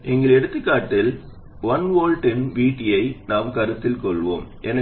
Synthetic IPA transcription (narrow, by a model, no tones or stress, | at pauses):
ʔɛŋɡɐɭɛɽɯt̪ːɯkːaːʈːɪl | ʋɐnʋoːlʈɪnʋiːʈːɪjɐɪnaːmkɐɾɯt̪ːɪlkɔɭʋo̰ːmʔɛnɐ